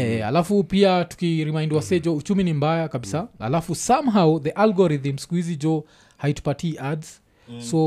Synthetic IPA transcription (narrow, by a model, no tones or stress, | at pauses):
ɛha̰lafupiatu̥kiɾimajndwasɛd͡ʒɔut͡ʃuminimbajakaɓisaha̰lafusamɦawðiʔalɡɔɾiθm̩si̥kuhizid͡ʒɔ | haitu̥patiʔadz | sɔ